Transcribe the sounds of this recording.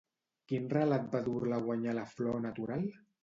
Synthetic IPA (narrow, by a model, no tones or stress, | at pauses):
kinralat̪̚baðuɾlaɣwaɲalaflɔnat̪uɾal